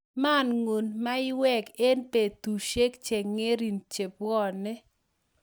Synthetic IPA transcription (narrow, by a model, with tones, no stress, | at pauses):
ma˦˨nŋo˨nma˦ɪ˦wɛ˦˨ke˦npe˨t̪u˨ʃe˦kt͡ʃe˨ŋe˦ɾi˨nt͡ʃe˨pɔ˦˨nɪ˦